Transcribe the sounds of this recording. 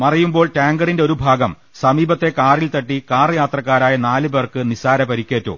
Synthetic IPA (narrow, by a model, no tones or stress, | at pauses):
mɐrɐjumbo̞ːɭtaːŋɡɐɽindeo̞ɾubʱaːɡɐm | sɐmiːbɐt̪ːe̞kaːrilt̪ɐʈːikaːrjaːt̪rɐkːaːɾaːjɐnaːlɨberkɨnisaːɾɐpɐɾikʲːe̞ːtːo̰ː